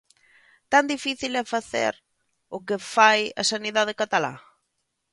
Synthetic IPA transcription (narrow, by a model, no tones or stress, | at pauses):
t̪and̪ifiθilɛfaθḛɾ | ʊkefajɐ̰saniðaðekat̪ala̰